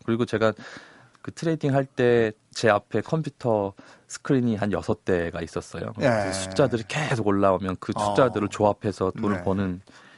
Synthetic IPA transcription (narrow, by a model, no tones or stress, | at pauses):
kɯɾiɡot͡ɕe̞ɡa | kɯtʰɯɾe̞diŋɦaɭt͈e̞t͡ɕe̞apʰe̞kʰʌmpʰjutʰʌsʰɯ̥kʰɯɾiɲiɦanjʌsʰʌt͈e̞ɡais͈ʌs͈ʌ̰jo̰et͡ɕʰu̥t͡ɕ͈adɯɾike̞s̬ʰoɡoɭːaomjʌnkɯsʰu̥t͡ɕ͈adɯɾɯɭt͡ɕoapʰe̞sʰʌtonɯɭponɯn